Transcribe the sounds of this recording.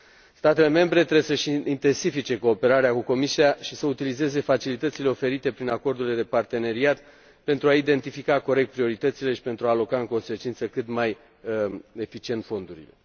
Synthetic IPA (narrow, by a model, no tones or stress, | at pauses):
st̪at̪e̞le̞me̞mbɾe̞t̪ɾesəʃint̪e̞nsifit͡ʃe̞ko̞ːpe̞ɾaɾeakuko̞misiaʃisəut̪ilize̞ze̞fat͡ʃilit̪ət̪sile̞o̞fe̞ɾit̪e̞pɾinako̞rd̪ule̞d̪e̞part̪e̞ne̞ɾiat̪ | pe̞nt̪ɾuaid̪e̞nt̪ifikako̞ɾek̚t̪̚pɾio̞ɾit̪ət̪sile̞ʃi̥pe̞nt̪ɾuaːlo̞kaɨŋko̞nse̞t͡ʃint̪səkɨt̪maj | e̞fit͡ʃie̞nt̪fo̞nd̪uɾḭle̞̰